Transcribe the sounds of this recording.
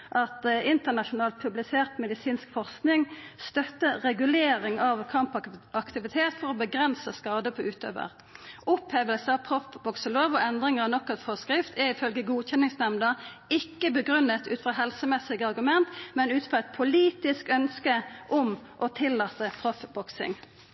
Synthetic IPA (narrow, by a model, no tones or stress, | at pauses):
ʔɑt̪ɪnt̪ənɑʃʊnɑːlt̪̚pʰʉblɪseːʁt̪mɛd̪ɪsiːnskfɔʁsknɪŋst̪œt̪ːəʁɛɡʉleːʁɪŋɑʋkʰɑmpɑkt̪ɪʋɪt̪ʰeːt̪fɔʁɔbəɡʁɛnsəskɑːd̪əpʰɔʉːt̪ø̰ːʋə̰ʁ | ʊpheːʋəlsəɑʋpʰʁɔfbɔksəloːʋɔɛnd̪ʁɪŋəʁɑnɔkːɛt̪fɔʁskɾɪft̪ʰɛʁɪfœlɡəɡuːçɛnɪŋsnɛmnə | ɪkːəbəɡʁʉnːət̪ʉ̰ːt̪fʁɑɦɛlsəmɛsɪɡəɑʁɡʉmɛnt̪mɛnʉːt̪fʁɑɛt̪̚pʰʊliːt̪ɪskœnskəʔʊmʔɔt̪ʰɪlːɑːt̪əpʰʁɔfbɔksɪ̰ŋ